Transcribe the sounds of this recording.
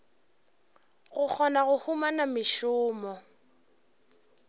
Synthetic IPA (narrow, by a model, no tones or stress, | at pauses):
ɣʊk͡xʰɔnaɣʊhumanamɪʃʊːmɔ